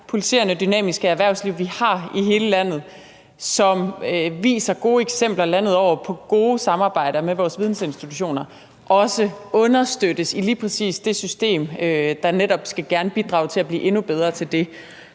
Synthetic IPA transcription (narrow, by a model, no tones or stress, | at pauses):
pʰolisʰe̝̰ɐnəd̥ynɛ̰ːmisɡ̥əæɐʋæɐ̰ʊsliʊ̰ʋihɑ̈iɦe̝ːləlæn̰ð̞̩ˠ | sɒ̽mʋḭːsɐɡ̥o̝ːeɡ̥sem̰b̥lɐlæn̰ð̩ˠɒʊ̰ɐpʰɒ̽ɡ̥o̝ːsɑ̈mɑ̈ːb̥ɑ̈ɪ̰ɾ̥ɐmeʋɒːsʋið̞ˠn̩se̝nsd̥it͡sʰuɕo̝̰ːnɐ | ʔɒ̽səɔ̽nɐsd̥ød̥əsiliːpʰʁɛsḭːsd̥e̝sysd̥e̝̰ːmød̥ɑ̈neɾ̥ɒ̽b̥sɡ̥æɡ̥æɐnəb̥id̥ʁɑ̰̈ʊt͡sʰe̝æb̥lḭːʔe̝nub̥eð̞ˠʁɐt͡sʰe̝ld̥e̝